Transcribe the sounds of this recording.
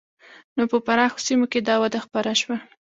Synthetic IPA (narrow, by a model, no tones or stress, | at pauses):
nopəpaɾɑxo̥simoked̪ɑwad̪axpaɾaʃwa